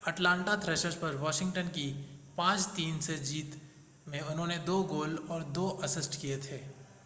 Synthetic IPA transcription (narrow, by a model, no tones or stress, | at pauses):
ɐʈlãːɳʈat̪ʰɾɛːʃəɾʃpɐɾʋɔːʃɪ̃ŋɡʈənkipãːt͡ʃt̪iːnsed͡ʒiːt̪ | mẽʊnɦõːned̪oːɡoːlɔːɾd̪oːʔɐsɪsʈkiet̪ʰeː